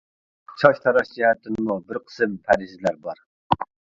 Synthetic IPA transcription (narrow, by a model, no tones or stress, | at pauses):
t͡ʃʰɑʃt̪ʰɑɾɑʃd͡ʒɛhɛt̪ʰːɪnmubɪɾqʰə̥sɨmpʰæɾɪʃɪlæɾbɑɾ